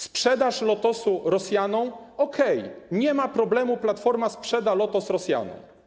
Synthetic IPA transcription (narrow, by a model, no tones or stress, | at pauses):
spʂɛd̪aʂlɔt̪ɔsuɾɔsʲjanɔ̃w̃ɔkʰɛjɲɛmapɾɔblɛmuplat̪fɔɾmaspʂɛd̪alɔt̪ɔsɾɔsʲja̰nɔ̰̃w̃